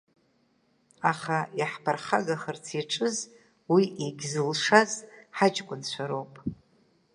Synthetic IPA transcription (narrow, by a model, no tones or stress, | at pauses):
aχajaħpʰarχaɡaχərt͡sʰiʈ͡ʂʼɨz | wiʔeɡʲzɨlʂazħat͡ʃʼkʷʼʊnt͡ɕʷʰaɾowpʼ